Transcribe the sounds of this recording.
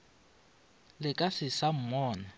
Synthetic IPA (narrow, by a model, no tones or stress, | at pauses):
lɪkʼasɪsam̩mɔːna